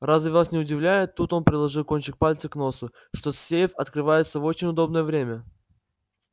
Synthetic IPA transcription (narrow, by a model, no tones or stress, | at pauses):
razvʲɪvlˠasʲnʲɪʊdʲɪvlʲæjɪt̪ːut̪o̞npɾʲɪdlˠɐʐɨlˠko̞nʲt͡ɕɪk̚palʲt̪səkno̞sʊ | ʂt̪osʲsʲejɪfɐt̪kɾɨvajɪt̪səvo̞t͡ɕɪnʲʊd̪o̞bnəjəvɾʲemʲə